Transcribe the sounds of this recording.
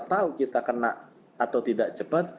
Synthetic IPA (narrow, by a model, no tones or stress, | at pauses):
t̪aukit̪akənaʔ | at̪awt̪idaʔ̚d͡ʒəpət̪̚